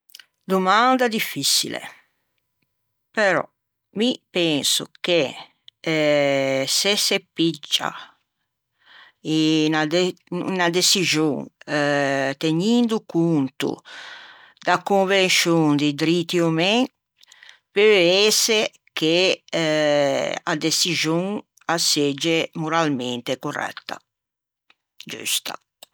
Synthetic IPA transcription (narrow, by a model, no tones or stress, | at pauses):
d̪umand̪ad̪ifːisḭlḛ | peɾɔ̰ | mipɛnsṵke | sesepid͡ʒːa̰ | ina | nad̪esizoŋ | t̪eɲind̪ukunt̪ṵ | d̪akuɱvensjuŋd̪id̪ɾit̪iomeŋ | peese | ke | a̰d̪esizuŋ | ased͡ʒemuɾalment̪ekorɛ̰t̪ːa̰ | d͡ʒṵst̪a̰